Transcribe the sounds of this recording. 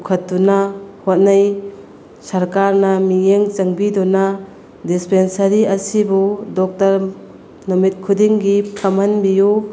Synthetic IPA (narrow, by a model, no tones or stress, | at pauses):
kʰɐtːunahot̚naj | sɐɾkaɾnɐmiŋeŋt͡ʃɐŋbidɔna | dispensɐɾiɐsibudɔk̚tɐɾ | nɔmit̚kʰudiŋɡipʰamɐnbiju